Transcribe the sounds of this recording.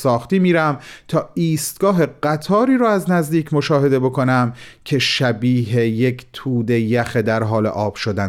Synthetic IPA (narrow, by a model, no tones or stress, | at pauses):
sɒːxt̪iːmiːɾæmt̪ʰɒːiːst̪̚ɡ̥ɒːɦe̞ɢæt̪ʰɒːɾiːɾɒːæznæzd̪iːcʰmoʃɒːɦe̞d̪e̞bo̞kʰo̞næmcʰe̞ʃæbiːɦejekʰt̪ʰuːd̪e̞jæxed̪æɾɦɒːlḛʔɒːb̥ʃod̪æn